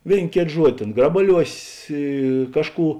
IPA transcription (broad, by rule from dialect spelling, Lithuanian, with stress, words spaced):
ˈʋʲeːɪn ˈkʲeːt ˈʒuɔdʲɪ ˈtʲeːn ˈɡrɑːbɐˌlʲuɔsʲeːs ɪ ˈkɑːʃˌkuː